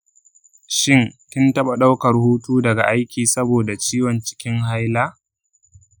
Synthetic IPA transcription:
ʃɪ˦nkʲɪ˦ntɐ˦ɓa˨ɗa˦wkɐ˨rhuː˦tuː˦dɐ˨ɡa˨ʔa˦jkʲiː˨sɐ˦boː˨da˨t͡ʃiː˦wɐ˨nt͡ʃɪ̥˦kʲɪ˦ŋɦa˦jlaː˦

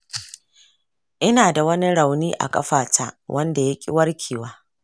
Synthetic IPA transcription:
ʔɪ˦naː˨da˨wɐ˦ni˦ɽa˨wniː˦ʔa̰˨kʼɐ̰˦ɸaː˨ta̰ː˦wʔɐ˦nda˨ja˦kʲʼɪ̰˦wɐ˦rkʲʰiː˨waː˦

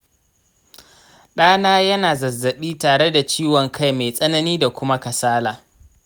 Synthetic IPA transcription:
ɗaː˦naː˦jɐ˦naː˨zɐ˨zːɐ˨ɓiː˦taː˨ɽe˦da˨t͡ʃiː˦wɔ˨ŋkʰa˦˨jmeː˨sʼɐ˦nɐ˦niː˦da˨kʷʊ˦ma˦kɐ˨saː˦laː˨

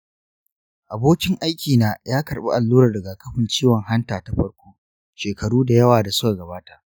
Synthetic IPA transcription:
ʔa˨boː˦kʲɪ˦ŋʔa˦jkʲiː˨naː˦jʔaː˦kɐ˨ɽɓa̰˦ʔa˨lːuː˦ɾɐ˨dɐ˨ɡa˨kɐ˦ɸɪ˨nt͡ʃiː˦wɔ˨ŋhɐ˦ntaː˨ta˦ɸɐ˦ɽkʷoː˦ | ʃeː˨kɐ˨ɽuː˦da˨jɐ˦waː˨da˨sʊ̥˦ka˨ɡɐ˨baː˦ta˨ʔ

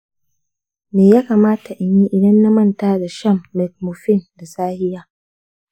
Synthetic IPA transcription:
meː˨jaː˦kaː˨maː˦ta˨ʔɪ˨ɲi˦ʔɪ˨dɐ˦nːa˦mɐ˦ntaː˦da˨ʃɐ˦mːɛ˨t̚mo˨ɸɪ˦˨nda˨saː˦hɪ˦jaː˦

